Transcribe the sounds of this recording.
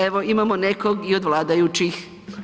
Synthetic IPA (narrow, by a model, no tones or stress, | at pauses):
eʋoimamonekoɡiod̪ʋlˠaːd̪ajut͡ʃix